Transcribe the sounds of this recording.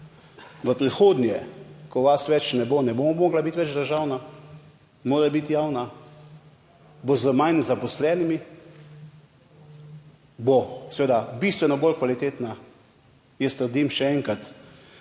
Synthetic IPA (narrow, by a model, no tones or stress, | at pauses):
ʋəpɾixoːd̪njɛkɔʋasʋɛt͡ʃnɛbonɛbommoːɡlabit̪ʋɛd͡ʒd̪əɾʒaːwna | moːɾɛbit̪jaːwna | bozəmajnzapɔslɛːnimi | bosʋeːd̪abist̪ʋɛnɔbolkʋalit̪eːt̪na | jɛst̪əɾd̪imʃɛɛŋkat̪